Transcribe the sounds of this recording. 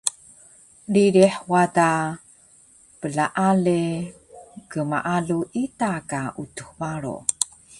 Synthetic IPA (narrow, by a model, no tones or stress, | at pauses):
liɾiħwata | pəɮaʔale | kəma̰ʔaɮuʔitakaʔutuhvaɾo̰